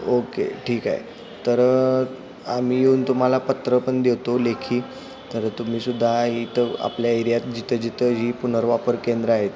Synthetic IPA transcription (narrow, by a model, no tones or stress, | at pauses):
okḛʈʰiːka̰ɦḛ | t̪əɾ | am̤iːjeuːnt̪um̤alapət̪ɾəpəɳd̪eʋt̪olekʰiː | t̪əɾt̪um̤iːsud̪ʱːait̪əa̰pljaəjɾjat̪d͡ʑit̪ʰəd͡ʑit̪ʰəɦiːpun̤əɾʋapəɾkend̪ɾəaɦet̪